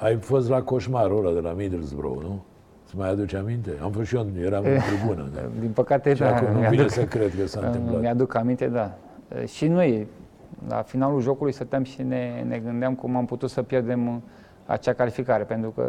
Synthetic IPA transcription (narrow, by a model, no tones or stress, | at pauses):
ajfo̞s̬t̪lako̞ʃmaɾoɾad̪elamid̪lzbɾo̰wnu | səmajad̪ut͡ʃamint̪ea̰mfosʃionjeɾamt̪ɾibunə̰d̪inpəkat̪ed̪akumnumjaviesekɾet̪kəsanɨmmjad̪ukamint̪e̞d̪a | ə̰ʃinoj | la̰finaluʒo̞kulujsət̪əmʃineneɡɨnd̪eamkumamput̪ut̪səpjerd̪e̞m | a̰t͡ʃakalifikaɾe̞pe̞nt̪ɾukə̰